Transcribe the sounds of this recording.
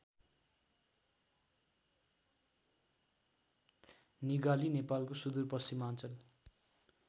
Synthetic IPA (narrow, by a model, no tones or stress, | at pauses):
niɡalinepalkosud̪urpʌst͡simant͡sʌl